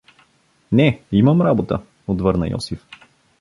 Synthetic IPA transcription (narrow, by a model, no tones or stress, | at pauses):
nɛiməmɾabot̪ə̰ | ot̪vɤɾnə̰jʔɔ̰sif